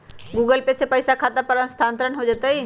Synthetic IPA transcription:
ɡuːɡəlpesepɐɪsakʰaːt̪apɐɾə̃nst̪ʰãːnt̪ɾənɦod͡ʒaːt̪aɦiː

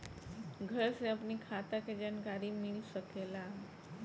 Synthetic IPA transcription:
ɡʱəɾseəpnikʰaːt̪aked͡ʒaːnkaːɾimɪlsəkela

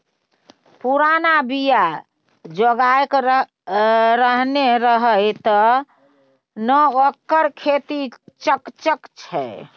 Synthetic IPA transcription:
puɾanabija | d͡ʒəɡajk | ɾəɦneɾəɦəjt̪ɔ | nəəkːəɾkʰet̪it͡ʃəkt͡ʃəkt͡ʃʰɛ̰

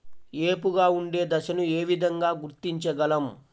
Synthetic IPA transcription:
eːpuɡaːuɳɖe̞ːd̪ɐʃɐnue̞ːʋid̪ʱɐŋɡaːɡuɾt̪iɲt͡ʃɐɡɐlɐm

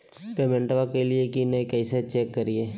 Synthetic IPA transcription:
peːmɛ̃ɳʈʋakelɪekinɛ̃kɛɪset͡ʃeːkːəɾɪeː

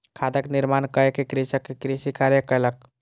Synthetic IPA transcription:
kʰad̪əkniɾmankəekekɾisəkːekɾisikaɾjəkələk̚

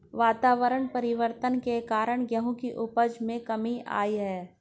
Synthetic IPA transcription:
ʋaːt̪aːʋəɾəɳ̃pɐɾɪʋəɾt̪ənkekaːɾəɳ̃ɡjɐɦõkiʔʊpəd͡ʒmẽkɐmia̰ːiɦɛː

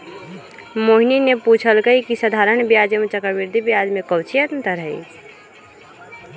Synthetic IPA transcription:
moɦinineput͡ʃʰəlɡəikisəd̪ʱaɾəɳ̃bjad͡ʒəmet͡ʃəkəɾbiɾd̪ʱibjad͡ʒmẽkəwt͡ʃʰijət̪nt̪əɾɦəḭ

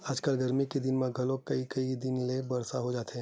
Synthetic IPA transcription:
aːd͡ʒkəlɡɐɾmikid̪ɪnmẽɡʱɐlokɐikɐid̪ɪnlebɐɾsaɦod͡ʒaːt̪eɦɛ̃

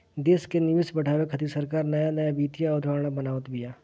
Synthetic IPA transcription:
d̪eːskenɪʋɪsbəʈʰaːwekʰət̪isəɾkaːɾnəjanəjabiːt̪ijaʊd̪ʱaːɽɽ̃abənaːʋət̪bɪjaː

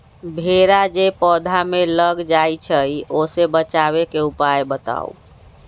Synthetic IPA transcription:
bʱeɾad͡ʒepɔd̪ʱameləɡd͡ʒajt͡ʃʰəjosebət͡ʃaβekeupajbət̪a̰ṵ

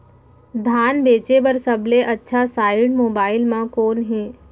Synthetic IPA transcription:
d̪ʱaːnbeːt͡ʃebɐɾsɐbleʔɐtːʃʰasaːɪɖmoːbaːɪlmãkoːnɦɛ̃ː

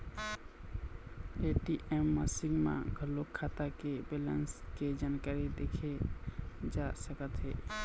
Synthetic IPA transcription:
eʈiʔemːəsiŋɡmã̰ɡʱəlːokʰːat̪akebelə̰nsked͡ʒankaɾid̪ekʰe | d͡ʒasəkət̪ɦɛ̰

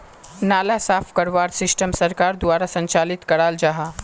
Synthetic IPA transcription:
naːlasaːfʰkɐɾʋaːɾsɪsʈəmsɐɾkaːɾd̪ʋaːɾasɐ̃ɲt͡ʃaːlɪt̪kɐɽaːld͡ʒaɦa

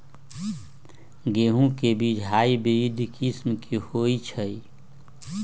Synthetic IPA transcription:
ɡeːɦũkebiːt͡ʃʰɦaːibiʋid̪ʱkʰismkʰihoit͡ʃʰəi

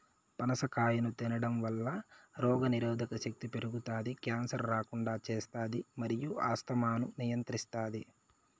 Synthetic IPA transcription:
pɐnɐsɐkaːjɐnut̪inɐɽɐmʋɐlːɐɾɔːɡɐniɾɔːd̪ʱɐkɐʃɐk̚t̪ipe̞ɾuɡut̪aːd̪ikjaːnsɐɾːaːkuɳɖaːt͡ʃeːst̪aːd̪imɐɾijuaːst̪ɐmaːnunijɐnt̪ɾist̪aːd̪i

